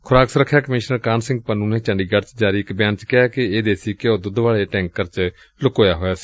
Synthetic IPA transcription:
kʰʊɾaːksəɾəkʰːjaːkəmɪːʃnəɾkaːnsɪ̃ŋɡ̚pənũːneːt͡ʃəɳɖiːɡəɖt͡ʃd͡ʒaːɾiːɪkbɪjaːnt͡ʃkɪaːkɪeːd̪eːsiːkɪoːd̪ʊd̪ʋaːɭeːʈɛ̃ːŋkəɾt͡ʃ | lʊkoːjaːɦoːjaːsi̥ː

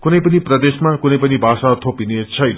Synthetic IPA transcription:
kunʌjpʌniprʌd̪esmakunʌjpʌnibʱasat̪ʰopinet͡sʰʌjnʌ

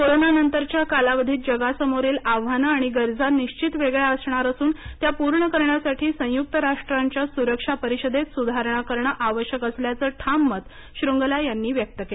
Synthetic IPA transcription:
koɾonanənt̪əɾt͡ɕjakalaʋəd̪ʱiːt̪̚d͡ʑəɡasəmoɾiːlaʋanəaɽ̃iɡəɾd͡zaniɕt͡ɕit̪ʋeɡɭjaəsɳaɾəsuːnt̪japuɾɳəkəɾɳjasaʈʰiːsə̃juk̚t̪əɾaʂʈɾaɲt͡ɕjasuɾəkʂapəɾiɕəd̪ʱet̪sud̪ʱaɾɳ̃akəɾɳəʔaʋəɕjəkəsljat͡səːʈʰamːət̪ | ɕɾuŋɡlajanːiːʋjək̚t̪əkele

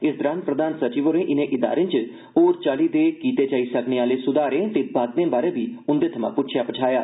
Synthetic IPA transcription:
ɪsd̪ɾaːnpɾəd̪aːnsət͡ʃiːʋoːɾẽːʔɪnẽʔɪd̪a̰ːɾẽnt͡ʃ | oːɾt͡ʃaːlid̪eːkiːt̪eːd͡ʒaːisəkneːaːlesʊd̪aːɾẽːt̪ebaːt̪nẽːbaːɾeːbʱiːʊnd̪eːt̪ʰəmã̰ːpʊt͡ʃʰjaːpət͡ʃʰaːjaː

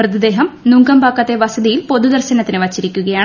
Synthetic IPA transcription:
rɨd̪ɐd̪e̞ːɦɐmnuːŋɡɐmbaːkːɐt̪ːeʋɐsɐðijilpo̞ðud̪ɐrɕɐnɐt̪ːinɨʋɐt͡ɕːiɾikʲːuɣɐjaːɳ

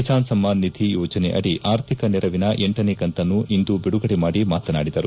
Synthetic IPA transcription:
t͡ʃaːnsɐmːaːnːid̪ʱijɔːd͡ʒɐnḛʔɐ̰ɽiʔaːɾt̪ʰikɐnɛɾɐʋinɐʔɛɳʈɐnekɐnt̪ɐnːuʔind̪ubiɽuɡɐɽemaːɽimaːt̪ɐna̰ːɽid̪ɐɾu

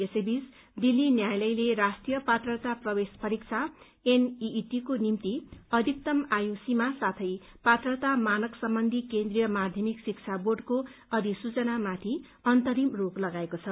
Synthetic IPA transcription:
esebis | d̪ilːinjajlʌjleɾasʈrijʌpat̪rʌt̪aprʌbespʌɾik̚t͡sʰa | eniːʈikonimt̪iʌd̪ʱik̚t̪ʌmajosimasat̪ʰʌj | pat̪rʌt̪amanʌksʌmbʌnd̪ʱikend̪rijʌmad̪ʱjʌmiksik̚t͡sʰaborɖkoʌd̪ʱisut͡sʌnamat̪ʰi | ʌnt̪ʌɾimroklʌɡaekot͡sʰʌ

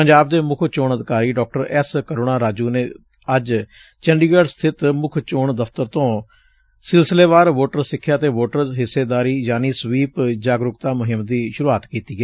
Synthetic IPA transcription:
pəɲd͡ʒaːb̚d̪eːmʊkʰt͡ʃoːɳəd̪ɪkaːɾiːɖɔːk̚ʈəɾɛskəɾoːɳaːɾaːd͡ʒuːneː | əd͡ʒ | t͡ʃəɳɖiːɡəːɖst̪ʰɪt̪mʊkʰt͡ʃoːɳd̪əfʰt̪əɾt̪õː | sɪlsɪleːʋaːɾʋoːʈəɾsɪkʰːjaːt̪eːʋoːʈəɾɦɪsːeːd̪aːɾiːd͡ʒaːniːsʋiːpd͡ʒaːɡɾʊkt̪aːmʊɦɪmd̪iːʃʊɾuaːt̪kiːt̪iːɡɛː

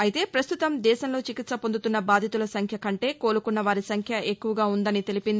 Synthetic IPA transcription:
ɐjit̪e̞ːpɾɐst̪ut̪ɐmd̪ɛːʃɐmlo̞ːt͡ʃikit̪sɐpond̪ut̪unːɐbaːd̪ʱit̪ulɐsɐŋkʰjɐkɐɳʈe̞ːko̞ːɾukunːɐʋaːɾisɐŋkʰjɐekːuʋɐɡaːund̪ɐnit̪e̞lipind̪i

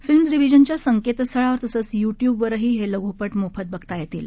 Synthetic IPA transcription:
filmsɾiʋid͡ʑənt͡ɕjasəŋket̪st̪ʰəɭaʋəɾt̪əsəːt͡sjuʈjuːbʋəɾɦiːɦeləɡʱupəʈmofʰət̪̚bəɡt̪ajet̪iːl

